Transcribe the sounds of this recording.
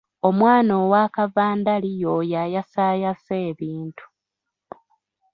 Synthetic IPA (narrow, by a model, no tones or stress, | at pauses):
o̞mwaːnoːwaːkavaːndalijojajasaːjaseːβiːntu̥